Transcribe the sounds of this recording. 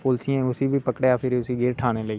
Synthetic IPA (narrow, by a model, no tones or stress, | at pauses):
pʊːlsɪjãʊsiːbʱiːpəkɽeaːpʰɪɾʊsiːɡeːɾʈʰaːneːləiː